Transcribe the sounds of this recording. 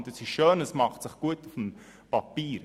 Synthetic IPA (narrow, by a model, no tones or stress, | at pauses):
təsɪʃʃøːnəsmɑχtsɪχɡ̥uətufm | pɑpiːɾ